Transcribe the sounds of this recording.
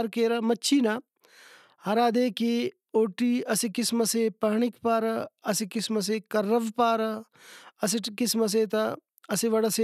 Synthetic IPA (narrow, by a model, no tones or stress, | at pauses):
ɾkeːɾɐmɐtːt͡ʃʰiːna | hɐɾaːd̪eːke | oːʈiːɐsikɪsmɐsepɐɦɳikpaːɾɐsikɪsmɐs̬eːkɐɾːɐʋpaːɾ | ɐs̬ikɪsmɐs̬eːt̪ɐ | ɐsiʋɐɽɐse